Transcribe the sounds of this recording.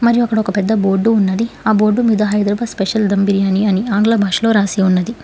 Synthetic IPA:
mɐɾijuɐkːɐɽɐɔkɐpɛd̪ːɐbo̞ːɾɖːuːnːɐd̪iaːbo̞ːɾɖːumid̪ɐɦɐjd̪ɾɐbaːspeʃɐld̪ɐmbiɾijaːniɐniaːŋɡlabʱaːʂlo̞ːɾaːsiːunːɐd̪i

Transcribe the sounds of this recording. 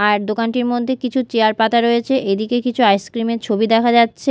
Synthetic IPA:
aɾd̪okanʈiɾmod̪ʱːekit͡ɕʰut͡ɕeaɾpat̪aɾojet͡ɕʰeʔed̪ikekit͡ɕʰuajskɾimeɾt͡ɕʰobid̪ɛkʰad͡ʑatːɕʰe

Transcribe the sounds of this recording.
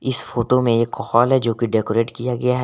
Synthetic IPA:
ɪsfoːʈomẽjekɔhaːlɦɛd͡ʒoːkeɖeːkoɾeːʈkijaɡɐjaɦɛ

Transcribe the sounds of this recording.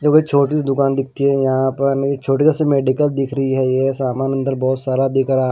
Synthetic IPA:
d͡ʒoːket͡ʃʰoːʈisd̪ʊkaːnd̪ɪk̚ʰt̪iɦɛjɐɦãpəɾnet͡ʃʰoːʈiasemeːɖɪkəld̪ɪkʰɾəɦiɦɛjesaːmaːnə̃nd̪əɾbɔːt̪saːɾad̪ɪkəɾaː

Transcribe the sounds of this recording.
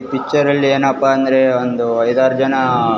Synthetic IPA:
pit͡ʃɐɾɐlːieːnɐpːaɐnd̪ɐɾe̞ond̪uɐjd̪aːɾud͡ʒɐnɐ

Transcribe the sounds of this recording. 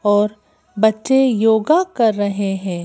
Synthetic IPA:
ɔːɾ | bɐtːʃejoːɡakɐɾːɐɦeɦɛ̃ː

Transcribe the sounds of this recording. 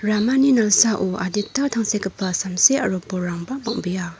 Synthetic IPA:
ɾamaninɐlsaʔua̰ditːatʰaŋsekɐpʰːɐsamseɐ̰ɾopːɔɾaŋbɐmɔŋbija

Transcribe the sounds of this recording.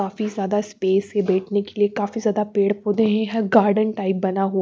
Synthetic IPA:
aːfizjaːd̪aspeːsebɛːʈʰnekeliekaːfizjaːd̪apeːɽpoːd̪ẽɦẽɦɛ̃ɡaːɾɖənʈaːɪp̚bɐnaɦo

